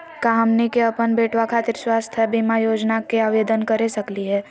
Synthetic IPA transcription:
kaɦɐmnekeɐpənbeːʈʰwakʰaːt̪ɪɾswaːst̪ʰəbimajoːd͡ʒnakeaːʋeːd̪ənkɐɾesɐkliɦɛː

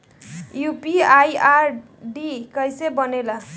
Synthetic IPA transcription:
jupiajar | ɖikʌjsebʌnelʌ

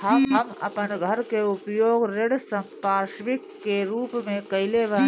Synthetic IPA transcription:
ɦəɦəmɐ̰pənɡʱəɾkeʊpjoːɡɾɪɽsə̃mpaːʃʋɪkkːeɾuːpmẽkɐɪlebə

